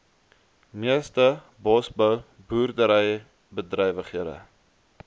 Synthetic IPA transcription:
miəstə | bɑːsbœw | buːrdəɾəj | bədrɛjvəχiəɾə̰

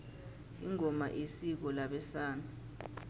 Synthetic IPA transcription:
ḭŋɔma̰ʔisik̬ɔlaɓɛsaːna

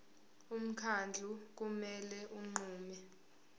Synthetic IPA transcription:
um̩kʰand͡ɮʱuk̬umɛlɛʔuŋ͡ǃuːmɛ

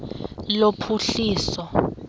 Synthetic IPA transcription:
lopʰuɬiːsɔ

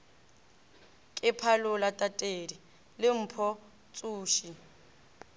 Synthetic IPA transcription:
kʼɪpʰalʊlatʼatʼeːdi | lɪm̩pʰɔ | t͡sʼuːʃi

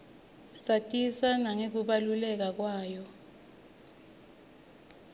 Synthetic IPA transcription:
satʼiswanaŋek̬uɓalulɛk̬ak̬waːjɔ

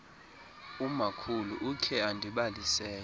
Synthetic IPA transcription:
umakʰuluʔukʰɛandʱiɓalisɛː

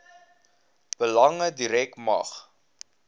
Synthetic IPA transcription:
b̥əlɐŋədiɾɛkmɐ̰χ

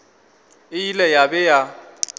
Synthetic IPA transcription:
ɪilɛjabɛja

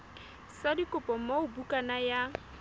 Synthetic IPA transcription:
sadikʼʊpʼɔm̩moʊbukʼanaja

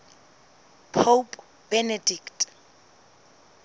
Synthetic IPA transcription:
pʰop | b̥ɛnediktʼ

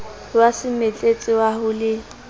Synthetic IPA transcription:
wasɪmɛt͡ɬʼet͡sʼɪwahʊlɪ

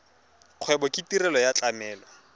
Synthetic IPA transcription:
q͡χʰwɛbɔkʼitiɾɛlɔjat͡ɬʼamɛːlɔ

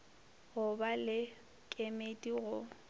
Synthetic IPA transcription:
ɣʊbalɪ | kʼemetʼiɣʊ

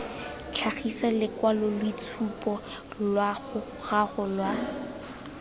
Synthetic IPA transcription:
t͡ɬʰaχisalɪkwalɔlwit͡sʰupʼɔ | lwaɣʊχaχʊlwa

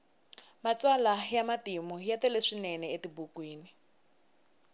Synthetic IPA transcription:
mat͡sʼwalajamatimɔjat̪ɛleʂinɛnɛetibukwiːni

